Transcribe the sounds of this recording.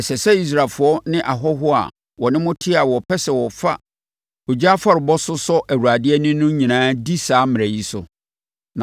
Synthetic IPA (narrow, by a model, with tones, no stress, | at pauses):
ɛ˨sɛ˨sɛ˦i˦s̬ɾa˨lfʊ˨ɔ˦nɪ̃˦ʔa˨ɦɔ˦ɦʊ˦a̰˨ | wɔ˨nɪ̃˦mʊ̃˦tʰɪ˦a˨wɔ˨pʰɛ˦sɛ˨wɔ˨fa̰˦ | o˨d͡ʑa˦fa˦ɾɪ˨bɔ˦sʊ˦sɔ˦ʔæ˨wu˨ɾa˨dɪ˦ɛ˦nɪ̃˦nʊ̃˦ɲĩ˨nãː˦di˦saː˨˦mɪ̃˨æ˨ji˦sʊ̰˨ | nã˨